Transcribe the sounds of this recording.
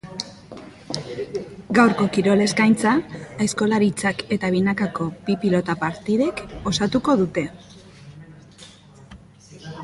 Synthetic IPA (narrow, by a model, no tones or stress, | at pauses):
ɡawɾko̞kiɾo̞le̞skajnt͡saːesko̞laɾit͡sake̞t̪aβ̞inakako̞bipilo̞t̪apaɾt̪iðe̞ko̞sat̪uko̞ðut̪e̞